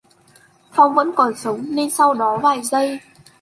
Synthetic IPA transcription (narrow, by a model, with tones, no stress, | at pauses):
fʰa˧wŋ͡mvə̰˧˥nkɔ˨˩nsə˨˦wŋ͡mne˧nsa˧wɗɔ˨˦vaː˨˩jzə˧j